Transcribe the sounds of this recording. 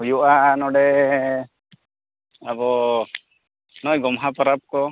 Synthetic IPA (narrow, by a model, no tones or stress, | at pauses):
ujuʔanɔɽɛ | abɔ | nɔjɡɔmɦapɔɾap̚kɔ